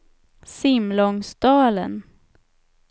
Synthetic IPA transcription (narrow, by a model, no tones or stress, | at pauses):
sɪmlɔŋsd̪ɑːlə̰n